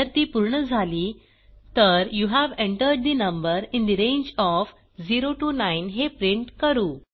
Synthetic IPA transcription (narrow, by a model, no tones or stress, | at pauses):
əɾt̪iːpuɾɳəd͡zʱaliː | t̪əɾjuːɦæʋẽɳʈəɾɖ̚d̪inəmbəɾĩnd̪iɾẽnd͡ʑɔf | d͡ziɾoʈuːnainɦepɾiɳʈkəɾuː